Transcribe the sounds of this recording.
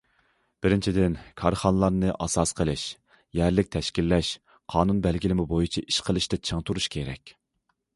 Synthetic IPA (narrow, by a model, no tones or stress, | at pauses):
b̥ɪɾɪnt͡ʃʰid̪ɪnkʰɑɾχɑnlˠɑɾnɨʔɑsɑsqʰəlˠɪʃ | jæɾlɪk̚ʲt̪ʰɛʃkʲilːɛʃ | qʰɑːnunbɛlɡʲilɪmɪbojut͡ʃʰiʔiʃqʰəlˠɨʃt̪ɛt͡ʃʰəŋt̪ʰuɾuʃkʲʰeɾɛ̰kʲ